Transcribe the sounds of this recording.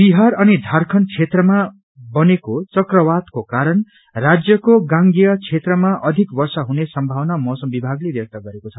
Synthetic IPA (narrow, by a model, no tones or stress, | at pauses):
biɦaɾʌnid̪ʱarkʰʌnt͡sʰet̪rʌma | bʌnekot͡sʌkrʌwat̪kokaɾʌn | rad͡zjʌkoɡãŋɡijʌt͡sʰet̪rʌmaʔʌd̪ʱikbʌrsʌɦunesʌmbʱawnamʌsʌmbibʱaɡlebjʌk̚t̪ʌɡʌɾekot͡sʰʌ